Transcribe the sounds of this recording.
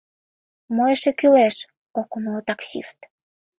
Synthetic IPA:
mojeʃekyleʃ | okumlot̪ɑksḭst̪

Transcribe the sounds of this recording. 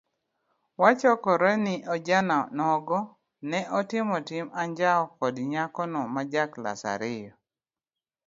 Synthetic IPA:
wat͡ʃɔkɔɾɛnɪʔɔd͡ʒananɔɡɔ | nɛʔɔtɪmɔtɪmaɲd͡ʒaɔkɔdɲakɔnɔmad͡ʒakla̰sa̰ɾɪjɔ

